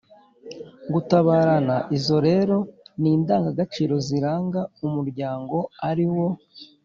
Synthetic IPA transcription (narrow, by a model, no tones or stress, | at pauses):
ɡutaβaːɾanaʔizo̞ɾe̞ːɾo̞niːndaːŋɡaɡat͡ʃiːɾo̞ziɾaːŋɡaumuɾɟaːŋɡo̞aɾiwo̞